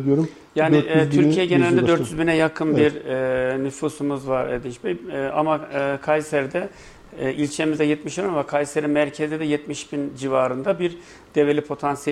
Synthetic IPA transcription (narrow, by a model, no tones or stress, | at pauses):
d̪oɾ | jaːnit̪ʰyɾcʰijɛɟenelʲind̪d̪øɾt̪ʰjyzbinɛjakʰɯnbiɾɛnyfusumɯzvaɾed̪int͡ʃbea̰makʰajseɾd̪ɛ | ʔilʲt͡ʃʰe̞mizd̪ɛjɛt̪miʃeɾʲmvakʰajseɾinmæɾcʰe̞zid̪ɛjɛt̪miʃbind͡ʒivaːɾɯnd̪abiɾ | d̪̥evelʲipʰo̞t̪ʰansijɛ